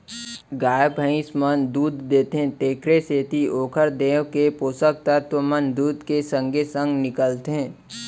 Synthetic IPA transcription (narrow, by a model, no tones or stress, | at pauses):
ɡaːjəbʱə̃ɪ̃smənd̪uːd̪ːeːt̪eɦẽt̪eːkɾeseːt̪ioːkʰəɾd̪eːʋkepoːsək̚t̪at̪ʋəmənd̪uːd̪kesə̃ŋɡesə̃ŋɡnɪkəlt̪eɦɛ̃ː